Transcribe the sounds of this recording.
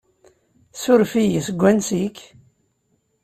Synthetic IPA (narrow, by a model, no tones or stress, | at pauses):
sʊɾfijisɡʷːænsik